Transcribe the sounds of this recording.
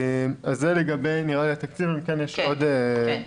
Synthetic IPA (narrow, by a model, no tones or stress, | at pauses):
mazːeleɡabe̞jniʁaliat̪akt͡sivimkenjeʃo̞d̪e